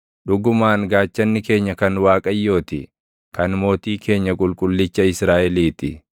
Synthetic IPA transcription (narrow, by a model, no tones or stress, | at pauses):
ɗʊɡʊmaːnɡaːt͡ʃːɐnːɪke̞ːɲːɐkɐnwaːkʼɐjːo̞ːt̪ɪ | kɐnmo̞ːt̪iːkʰe̞ːɲːɐkʼʊlkʼʊlːɪt͡ʃːɐɪsɾaːʔɛliːt̪ɪ